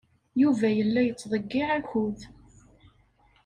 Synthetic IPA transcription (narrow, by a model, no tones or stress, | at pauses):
juvæjəlːæjət͡sːðˤəɡːɪʕæçuð